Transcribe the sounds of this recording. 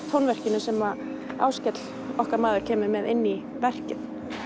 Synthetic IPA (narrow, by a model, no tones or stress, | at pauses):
t̪ʰownvɛr̥cɪnʏsɛma | a̰ːwscɛt̪l̥ | ɔhkaɾmaːðʏɾ̥cʰɛːmɪmɛðɪnːi | vɛr̥cɪt̪